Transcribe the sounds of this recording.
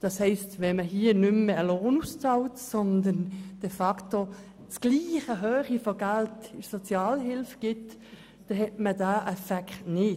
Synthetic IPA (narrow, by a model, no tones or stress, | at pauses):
d̥ɑshɛɪstvɛməɦiːənʏmːəəloːnust͡sɑwtsɔnd̪ənd̥ɛfɑkto | t͡sɡ̥liːχəɦøːχifoɡ̥æltɪsɔt͡sjɑːlɦɪlfɡ̥ɪt | d̥ɛɦɛtmədaːʔɛfɛktnɪ